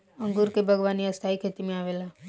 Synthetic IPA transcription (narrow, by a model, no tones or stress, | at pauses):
ə̃ŋɡuɾkebʱəɡʋaːniəst̪ʰaːikʰeːt̪imẽaːʋeːlaː